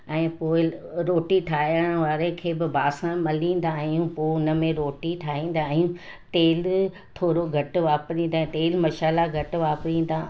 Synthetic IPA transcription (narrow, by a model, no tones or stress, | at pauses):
ɛ̃ːpoːɪɾoːʈiʈʰaːjəɽ̃ʋaːɾekʰeːbɪbʱaːsãmɐlĩːn̆d̪aːɦijũpoːʊnə̆mẽɾoːʈiʈʰaːɦĩːn̆d̪aːɦijũ | t̪eːl | t̪ʰoːɾoɡʱɐʈʊʋaːpɾĩːnd̪ãːt̪eːlmɐʃaːlaɡʱɐʈʊ̆ʋaːpɾĩːn̆d̪aː